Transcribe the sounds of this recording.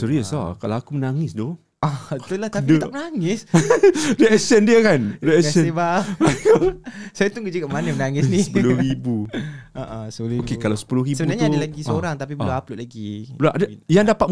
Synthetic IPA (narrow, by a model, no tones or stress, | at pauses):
suɾiəsa̰kalawakumənaŋɪsdo | at̪ulahtk̪aidət̪akmənaŋɪs | dəɛsɛndiəkandəɛɛbaakusajat̪ʊŋɡad͡ʒəɡaʔmanəmənaŋɪniəpulʊhɾibuaʔəsəuiokekalawsə̥pulʊhɾibəbənnarɲaadəlaɡisəoɾaŋt̪apibəluaplʊʔlaɡibəlaʔadəjaŋdapat̪̚